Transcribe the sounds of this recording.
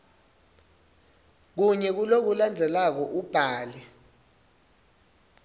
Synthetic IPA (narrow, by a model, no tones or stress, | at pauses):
k̬uɲɛk̬ulok̬uland͡zʱɛlak̬ɔʔub̥ʱaːlɛ